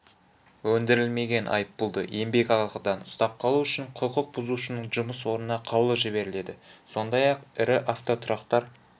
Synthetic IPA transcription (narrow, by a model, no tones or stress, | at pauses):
wɵnd̪ɪɾɪlme̞ɡʲe̞nʔɑ̰jəpːʊlˠd̪ə̰ʔe̞mbe̞kʲɑlˠqəd̪ɑnʊst̪ɑp̚qʰɑlˠuʏʃɪɴqʰʊqʊq̚bʊzuʃənəɴʒʊməswo̞ɾnənɑqʰɑwlˠəʒɪβe̞ɾɪle̞d̪ɪso̞nd̪ɑjɑqɪɾɪʔaft̪o̞t̪ʰʊɾɑqt̪ɑɾ